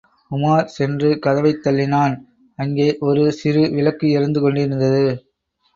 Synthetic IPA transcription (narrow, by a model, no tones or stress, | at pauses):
kʊmaːɾsɛndrɯkɐðɐʋɐɪt̪ːɐɭːɪnaːn | ɐŋɡeːʔɔɾɯsɪɾɯʋɪlɐkːɯɪɾɯnd̪ɯkɔɳɖɪɾɯnd̪ɐðɯ